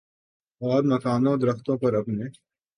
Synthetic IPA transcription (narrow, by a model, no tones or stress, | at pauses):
ɔːɾmɐkaːnõd̪ɐɾəxt̪õpɐɾɐpneː